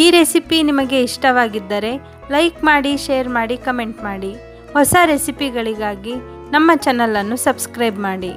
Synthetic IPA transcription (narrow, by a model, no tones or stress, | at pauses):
iːɾesipinimɐɡe̞iʂʈɐʋaːɡid̪ːɐɾe̞ | lɐjkmaːɽiʃeːɐɾmaːɽikɐme̞ɳʈmaːɽi | hɔsɐɾesipiɡɐɭiɡaːɡi | nɐmːɐt͡ʃɛnɐlɐnːusɐbskɾɐjbmaːɽi